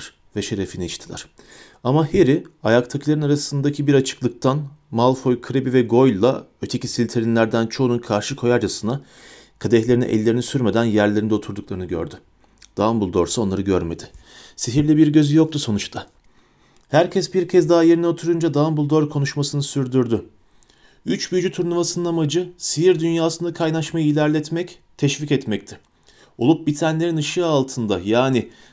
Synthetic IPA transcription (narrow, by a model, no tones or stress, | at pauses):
ɾ | vɛʃe̞ɾefiniiʃt̪ʰilʲˠæ̰ɾ̥ | amaheɾiajakt̪ʰakʰɯlˠaɾɯnaɾasɯnd̪acʰibiɾat͡ʃʰɯ̥klˠɯk̚t̪ʰanmalˠfo̞jkʰɯɾebivɛɡo̞jlʲlːˠaø̞t̪ʰe̞cisilʲt̪ʰeɾinlʲæɾd̪ænt͡ʃʰo̞ːnunkʰaɾʃɯkʰo̞jaɾd͡ʒasɯna | kʰad̪ɛçlʲe̞ɾinḭʔɛ̰lʲːe̞ɾinisyɾme̞d̪ænjæɾlʲe̞ɾind̪ɛo̞t̪ʰuɾd̪uklˠaɾɯnɯɟø̞̰ɾd̪y | d̪̥ambulˠd̪o̞ɾsao̞nlˠaɾɯɟøɾme̞d̪ɪsiɦiɾlʲɛbiɾɟøzyjo̞k̚t̪ʰuso̞nut͡ʃt̪ʰa | hæɾcʰɛsbiɾcʰɛzd̪aɦajeɾinɛo̞t̪ʰuɾund͡ʒad̪anbulˠd̪o̞ɾkʰo̞nuʃmasɯnɯsyɾd̪yɾd̪ʏ | yt͡ʃbyd͡ʒyt̪ʰuɾnumasɯnɯnamad͡ʒɯsiɦiɾd̪ynjaːsɯnd̪akʰajnaʃmajɯilʲæɾlʲɛt̪mɛc | t̪ʰɛʃvicɛt̪mɛct̪ʰɪ | o̞lˠup̚bit̪ʰænlʲe̞ɾinɯʃɯalˠt̪ʰɯnd̪ajaːnɪ